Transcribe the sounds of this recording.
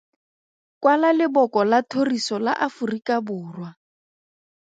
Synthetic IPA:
kwalalɪbɔkɔlatʰorisɔla̰ʔafurikʼabʊːrwa

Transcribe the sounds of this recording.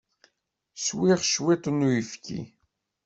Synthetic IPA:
swiʁʃwit̪ˤənːujifkḭ

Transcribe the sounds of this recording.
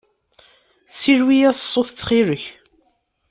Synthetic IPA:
siɾwijæssˤːoθt͡sːχiɾəç

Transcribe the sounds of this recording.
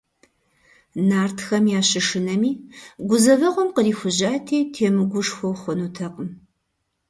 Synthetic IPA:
naːrtʰxɐmjaːɕɪʂɨnɐmiːɡʷʊzɐvɐʁʷɔmqəriːxʷʊʑaːtʰiːtʰeːmɨɡʷʊʂxʷɔwχʷɔnutʰɐqəm

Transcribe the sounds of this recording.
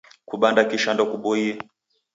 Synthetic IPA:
kuɓandakiʃandɔkuɓɔiɛ

